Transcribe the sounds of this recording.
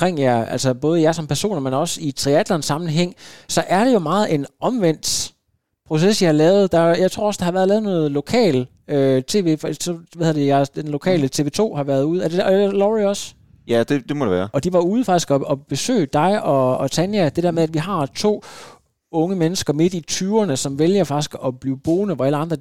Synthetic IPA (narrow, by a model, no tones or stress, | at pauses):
kʰʁeŋ̰jææl̰sɐb̥ɔ̽ːð̞̩ˠjɑsɒ̽mpʰæɐso̝̰ːnɐmenɒ̽sit͡sʰʁiæd̥lɐnsːɑ̈mn̩ɦeŋ̰sɒ̽ʔæɐd̥e̝jo̝mɑ̈ːð̩ˠe̝nɒ̽mʋen̰d̥ | pʰʁo̝sesjɑhɑlɛːʊð̞̩ˠd̥ɑjɑ̈ɪt͡sʰʁo̝̰ɐɒ̽sɑhɑ̈ʋæːɐðˠɛːðˠnɔ̽ːð̞̩ˠlo̝kʰɛ̰ːl | øt͡sʰe̝̰ːʋe̝̰fsɒʋæheðˠɐdejɑd̥enlo̝kʰɛ̰ːlət͡sʰe̝ːʋe̝̰ːt͡sʰo̝̰ːhɑ̈ʋæɐð̞ˠuːð̩ˠæd̥elɒʁiɒ̽s | jæd̥ed̥e̝mɒdeʋæːɐɒ̽d̥iʋɑ̈uːð̩ˠfɑɡ̥isɡ̥ɒ̽ɒ̽b̥e̝sø̰ːd̥ɑ̈ɪɒ̽ɒ̽t͡sʰænjæd̥e̝d̥ɛɐmeæd̥ʋiɦɑ̈t͡sʰo̝̰ː | ɔ̽ŋəmenəsɡ̥ɐme̝d̥it͡sʰyːʊɐnəsɒ̽mʋeljɐfɑ̈ɡ̥isɡ̥ɒ̽b̥liːʊb̥o̝ːnəʋɒ̽æləɑ̈nd̥ʁɐ